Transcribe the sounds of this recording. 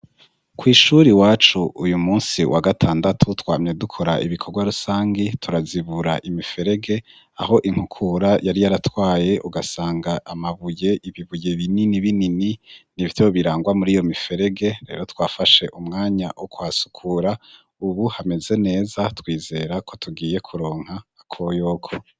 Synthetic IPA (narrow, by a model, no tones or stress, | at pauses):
kwiːʃuɾiwaːt͡ʃuujumuːnsiwʔa̰ɡatʰaːndatʰutwaːmɲe̞dukʰo̞ɾa̰ʔiβikʰo̞ɾɡwaɾusaːŋɡitʰuɾaziβuɾaʔimife̞ɾe̞ɡe̞ | a̰ho̞ʔiŋ̥hukʰuɾajaɾijaɾatwaːje̞ʔuɡasaːŋɡaʔamaβuje̞ʔiβiβuje̞βininiβinininiβitoβiɾaːŋɡwamuɾijo̞mife̞ɾe̞ɡe̞ɾe̞̰ːɾo̞twaːfaʃe̞ʔumŋaːɲa̰wʔokwaːsu̥kʰuɾa | uβuhame̞ze̞ne̞ːzatwiːze̞ɾakʰo̞tʰuɡiːje̞kʰuɾo̞ːŋ̥haːkʰojo̞ːkʰo̞